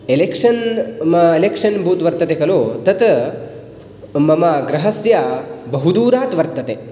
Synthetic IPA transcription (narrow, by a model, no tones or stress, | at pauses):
elekʂɐn | elekʂɐnbʱuːt̪ʋɐɾt̪ɐt̪ekɐloːt̪ɐt̪ | mɐmɐɡɾɐɦɐsjabɐɦud̪uːɾaːt̪ʋɐɾt̪ɐt̪e